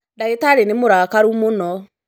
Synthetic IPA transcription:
daetaɾenemoɾaːkaɾumonɔ

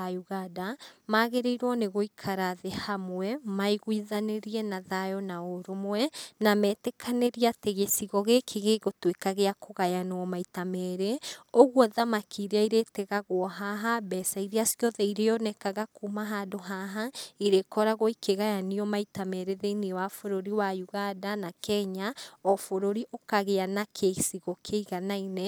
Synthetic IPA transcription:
ajuɣadamaːɣeɾeiɾwɔneɣoikʰaɾaðehamwɛmaiɣwiðaneɾiɛnaðajɔnaoɾomwɛnamɛːtɛkʰaneɾiateɣesiɣɔɣekʰeɣeɣotwekaɣeakoɣajanɔmaitamɛɾeoɣwɔðamakʰiɾeaiɾetɛɣaɣoɦaɦabɛsaiɾiasiɔðɛiɾejɔnɛkaɣakumaɦadoɦaɦaiɾekɔɾaɣoikʰeɣajaniɔmaitamɛɾeðeiniwafoɾoɾiwajuɣadanakɛɲaɔfoɾoɾiʔokaɣeanakʰeisiɣɔkʰeiɣanaine

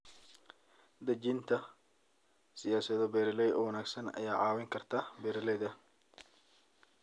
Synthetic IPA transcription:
d̪ɐd͡ʒint̪ʰɐ | sɪjaːsɐðɔbɛːɾɪlɛjɔ̰ːwɐnaːɡsɐnɐ̰jaːʕɑːwɪŋkʰɐrt̪ʰaːbɛːɾɪlɛjðɐ

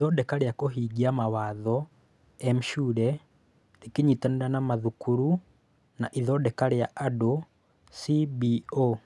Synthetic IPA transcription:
iðɔdɛkaɾeakoɦiɡiamawaðɔ | ɛm̩ʃuɾɛ | ɾekiɲitaneɾanamaðukuɾu | naʔiðɔdɛkaɾeaʔado | sibio

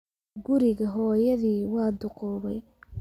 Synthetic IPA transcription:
ɡʊɾɪɣɐɦɔːjɐðiːwɑːd̪ʊqɔːβɛ̰j

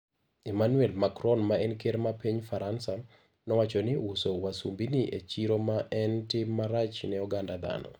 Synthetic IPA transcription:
imanwɛlmakɾɔnmaɛnkeɾmapiɲfaɾansa | nɔwat͡ʃɔnɪusowasumbiniʔet͡ʃiɾomaʔɛntɪmːaɾat͡ʃnɛɔɡandad̪a̰nɔ̰

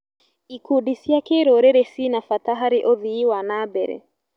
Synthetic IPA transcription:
ikuɗisiakeɾɔɾɛɾɛsinafataɦaɾiʔɔðiːwanabɛɾɛ̰

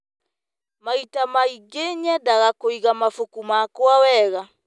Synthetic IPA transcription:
maitamaiɡeɲɛdaɣakoiɣamafokumakwawɛɣa

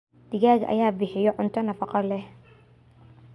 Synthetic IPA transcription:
d̪̥ɪɣaːɣʔɐ̰jaːbɪħɪjɔʕʊnt̪ʰɐnɐfɑqɑlɛh

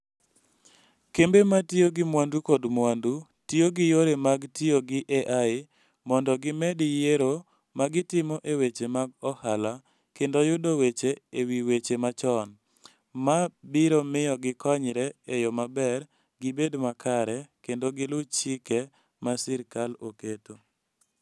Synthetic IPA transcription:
kembematioɡɪmwandukɔdmwandu | tioɡɪjoɾemaɡtioɡɪʔeʔaɪ | mɔndɔɡɪmɛdɪjeɾo | maɡɪtɪmɔʔewet͡ʃemaɡɔhala | kendojʊdowet͡ʃeewiwet͡ʃemat͡ʃɔn | mabɪɾomɪjɔɡɪkɔɲɾɛejomabɛɾ | ɡɪbedmakʰaɾɛkendoɡɪlʊt͡ʃɪkɛ | masɪɾkaloketo

